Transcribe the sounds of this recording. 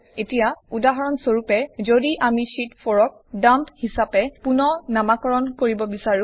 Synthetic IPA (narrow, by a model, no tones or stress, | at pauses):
etijaudaɦɔɹɔnsoɹupɛzodiʔamiʃitpʰɔɹɔk̚damphisapɛpunɔnamakɔɹɔnkoɹibɔbisaɹũ